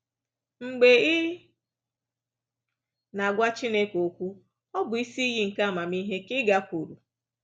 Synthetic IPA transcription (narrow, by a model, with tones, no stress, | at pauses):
ŋ͡m̩˨ɡ͡be˨ɪ˦ | na˨ɡʷa˦t͡ʃi˦ne˦ko˨kʷu˦ | ɔ˦bʊ˨i˦si˦i˦ji˦ŋ̩˨ka˦˨ma˨mi˦ɦe˦kɪ˦ɡa˦kʷu˨ɾu˨